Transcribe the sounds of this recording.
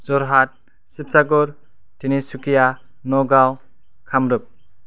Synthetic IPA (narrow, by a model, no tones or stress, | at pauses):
zɔɾɦat̚ | sip̚saɡɔɾ | tʰinisukija | nɔɡaw | kʰamɾɯp̚